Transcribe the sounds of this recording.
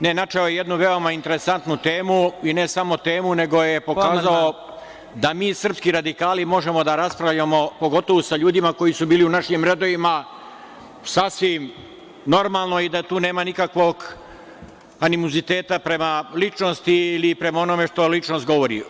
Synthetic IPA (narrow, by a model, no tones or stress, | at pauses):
ne̞nat͡ʃeojejed̪nuʋe̞o̞maint̪e̞ɾe̞sant̪nut̪e̞ːmuine̞samo̞t̪e̞ːmune̞ɡo̞jepo̞kaːzao | d̪amiːsr̩pskiɾad̪ikaːlimo̞ʒe̞mo̞d̪aɾaspɾaʋʎamo̞po̞ɡo̞t̪o̞ʋosaʎuːd̪imako̞jisubiːliunaʃimɾe̞d̪oʋima | sasʋim | no̞ɾmalˠno̞id̪at̪uːne̞ːmanikakʋo̞ɡ | animuzit̪e̞ːt̪apɾe̞malit͡ʃno̞st̪iilipɾe̞mao̞no̞me̞ʂt̪o̞lit͡ʂnost̪ɡo̞ʋo̞ɾḭ